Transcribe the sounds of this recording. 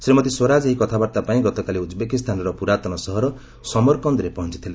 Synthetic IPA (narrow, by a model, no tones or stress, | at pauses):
sɾimɔt̪iswoɾad͡ʒeɦikɔt̪ʰabaɾt̪apaĩɡɔt̪ɔkaliud̪bekist̪ʰanɔɾɔpuɾat̪ɔnɔsɔɦɔɾɔ | sɔmɔɾkɔnd̪ɾepɔɦɔnt͡ʃit̪ʰile